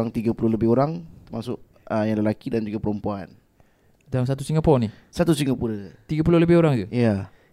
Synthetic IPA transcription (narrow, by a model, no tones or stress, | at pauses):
aŋt̪iɡapulʊhləbɪhoɾaŋt̪əmasʊʔ | əjaŋləlakidand͡ʒuɡapəɾɔmpuan | daŋs̬at̪usiŋɡapɔni | sat̪usiŋɡapuɾət̪iɡap̬ulʊhləbɪhoɾaŋt̪uja